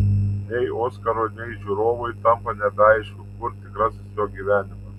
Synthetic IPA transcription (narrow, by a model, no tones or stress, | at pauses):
nʲɛɪoːskɐɾoːnʲɛɪʒʲuːɾoːʋɔɪt̪ɐmpɐnʲɛbʲɛɐɪʃʲkʲʊkʊɾt̪ʲɪkɾɐsʲɪsjoːɡʲiːʋʲæːnʲɪmɐs